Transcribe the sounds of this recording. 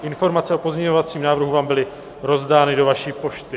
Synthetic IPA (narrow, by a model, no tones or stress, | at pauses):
ʔɪnfo̞ɾmat͡sɛopo̞zɲɛɲovat͡siːmnaːvrɾɦuvaːmbɪlɪ | ɾo̞zdaːnɪdovaʃiːpo̞ʃt̪ɪ